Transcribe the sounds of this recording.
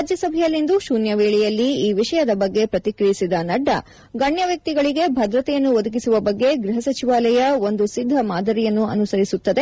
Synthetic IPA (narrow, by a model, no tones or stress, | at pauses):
ad͡ʒjɐsɐbʱɛjɐlːind̪uʃuːnjɐʋeːɭijɐlːiiːʋiʂɐjɐd̪ɐbɐɡːe̞pɾɐt̪ikɾijisid̪ɐnɐɖːɐ̰ | ɡɐɳjɐʋjɐk̚t̪iɡɐɭiɡe̞bʱɐd̪ɾɐt̪ɛjɐnːuʋod̪ukisuʋɐbɐɡːe̞ɡɾiɦɐsɐt͡ʃiʋaːlɐjɐo̞nd̪usid̪ʱːɐmaːd̪ʱɐɾijɐnːuɐ̰nusɐɾisut̪ːɐd̪e